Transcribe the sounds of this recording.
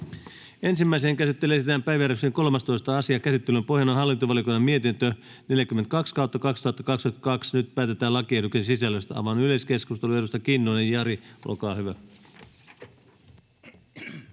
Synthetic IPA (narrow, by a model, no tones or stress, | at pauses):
e̞nsimːæis̬eːŋkæsit̪ːelesit̪æːmpæjʋæjæɾøkseŋko̞lmɑst̪o̞ist̪ɑɑsiɑkæsit̪ːelympo̞ɦjɑnonɦɑlːint̪oʋɑlikoinɑmie̞t̪int̪ø | ne̞ljækymːent̪kɑkskɑwt̪ːɑkɑkst̪uhɑt̪ːɑkɑkst̪ut̪kɑksnyt̪̚pæːt̪et̪æːlɑkieduksensisælːøst̪æɑ̰ʋɑnyleske̞skust̪e̞lue̞dust̪ɑkinːonejjɑɾiʔo̰lkɑːhyʋæ